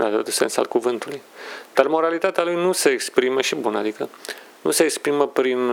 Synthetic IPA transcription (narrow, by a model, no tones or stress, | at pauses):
lad̪ot̪usensa̰lkuvɨnt̪ulujd̪̥armo̞ɾalit̪at̪ealujnuseekspɾiməʃibunəa̰d̪ikə | nṵseːkspɾiməpɾin